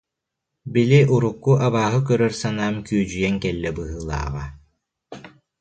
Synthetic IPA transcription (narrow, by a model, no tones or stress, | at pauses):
biliʔuɾukːuʔaβaːɦɯk̬œɾœɾsanaːmkyːd͡ʑyjɛŋkɛlːɛbɯɦɯːlˠa̰ːʁa